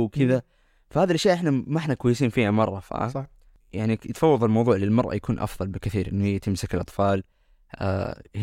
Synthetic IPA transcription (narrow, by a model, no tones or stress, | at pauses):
kɪða | fahaːðilʔaʃjaʔɪħnamaʔɪħnakwajːsiːnfiːhamɑrˤːɑfa̰ | jaʕnit̪fɑwːɑðˤlmɑwðˤuːʕlɪlmɑɾˤʔɑ̰jakʰuːnʔɑ̰fðˤɑlbɪkɪθiːɾʔɪ̰nːuhɪjːat̪ɪmsɪkɪlʔɑt̪ˤfɑːl | a̰h